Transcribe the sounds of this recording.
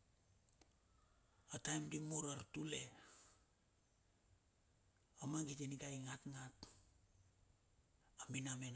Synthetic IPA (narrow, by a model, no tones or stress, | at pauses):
atajmdimuɾaɾtule̞ | amaɡiteniɡajŋatŋat | aminamen